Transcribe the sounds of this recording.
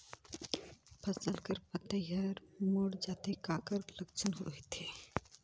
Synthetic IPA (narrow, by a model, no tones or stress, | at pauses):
pʰəsəlkəɾpət̪əjəɾmoːɽd͡ʒaːt̪ekaːkəɾləkt͡ʃʰənɦoet̪eː